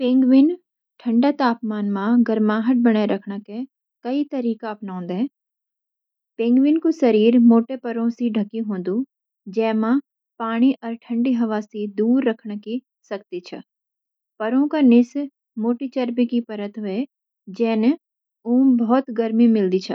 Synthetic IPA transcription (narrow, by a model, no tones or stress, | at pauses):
pẽːŋɡʋɪn | ʈʰə̃ɳɖat̪aːpmaːnmãɡəɾmaːɦəʈ̚bɐɽ̃aɾɐkʰɳake | kɐit̪ɐɾiːkaɐpnãːnd̪ɛ | pẽːŋɡʋɪnkusɐɾiːɾmoːʈepɐɾõsiɖʱɐkiɦõːnd̪u | d͡ʒɛːmã | paːɽ̃iʔɔːɾʈʰə̃ɳɖiɦɐʋaːsid̪uːɾːɐkʰɳki | sɐk̚t̪it͡ʃʰɛ̰ | pɐɾõkanɪs | moːʈit͡ʃəɾpikipɐɾət̪ɦʊe | d͡ʒɛːne | uːmbɔːt̪ɡɐɾmimɪld̪it͡ʃʰɛ